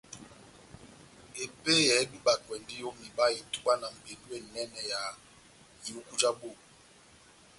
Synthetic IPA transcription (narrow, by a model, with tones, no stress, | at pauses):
e˨pe˦jɛ˨˦bi˦ɓa˨kwɛ˨ndi˦jo˦mi˨ɓa˦i˨tu˦ɓa˦na˨m̩˨be˨ndu˦e˦˨nɛ˦nɛ˨ja˨ | ju˦ku˦d͡ʒa˦ɓo˦˨